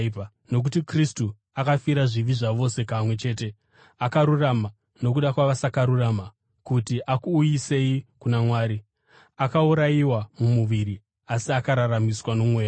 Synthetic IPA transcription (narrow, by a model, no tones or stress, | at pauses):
no̞k̬utikristu | akafiɾaʐiʋiʐaʋo̞se̞kaːmwe̞t͡ʃe̞ːte̞ | akaɾurama | no̞k̬uɗakwaʋasakaɾurama | kutiʔakuːjise̞jikunamwaːɾi | akauɾajiwamumuʋiɾi | asiakaɾaramiswanomwe̞ː